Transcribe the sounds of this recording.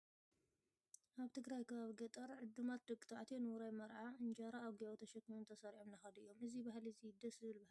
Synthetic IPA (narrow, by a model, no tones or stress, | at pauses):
ʔaβt̪ʰɨɡɾajkʰɐβaβiɡɐt̪ʼɐɾʕɨd̪ːɨmat̪̚d̪ɨɡʼɨt̪ʰaʕt̪ʰenɨwuɾajmɐɾʕaɨnd͡ʒaɾaːɡijawt̪ʰɐʃɐkːiont̪ʰɐsɐɾiʕomnaxɐd̪ɐjːo̞mɨzibahlizid̪ɐsɨβɨlbah